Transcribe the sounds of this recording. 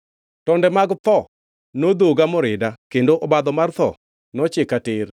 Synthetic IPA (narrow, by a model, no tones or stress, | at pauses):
tɔndɛmaɡt̪ɔ | nod̪oɡamɔɾɪdakendoʔɔbad̪ɔmart̪ɔ̰ | nɔt͡ʃɪkatɪr